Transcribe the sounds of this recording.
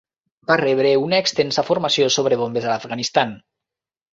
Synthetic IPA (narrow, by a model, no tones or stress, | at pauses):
bareβ̞ɾeunaekst̪ensafuɾmasiosoβ̞ɾeβombezalafɣanist̪an